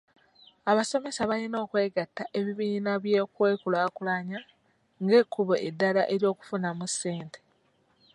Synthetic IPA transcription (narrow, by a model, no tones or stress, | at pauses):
aβaso̞me̞saβalino̞ːkwe̞ːɡatːaʔe̞βiβiːnaβje̞ːkwe̞ːkulaːkulaɲa | ŋɡe̞ːkʰːuβoʔedːalaʔe̞ɾjo̞ːku̥funamusːe̞ːntʰe̞̥